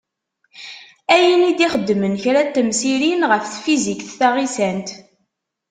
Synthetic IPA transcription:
æjənid̪iχəd̪ːmənçɾæt̪ːəmsiɾinʁəfθfizikθθaʁisænt̪

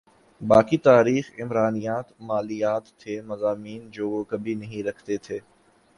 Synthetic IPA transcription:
baːkit̪aːɾiːxɪmɾaːnijaːt̪maːlijaːt̪ʰːeːmɐzaːmiːnd͡ʒoːʋokɐbʱinɐɦĩɾɐkʰt̪et̪ʰeː

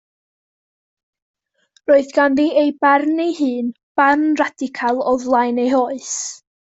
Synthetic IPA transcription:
roːɨðɡanðiejbarnejhɨːn | b̥arnradɪkʰalˠɔðlˠajnejhoːɨs

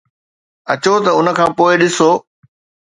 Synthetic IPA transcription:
ɐt͡ɕot̪ɐʊnə̆kʰãːpoːɪɗɪsoː

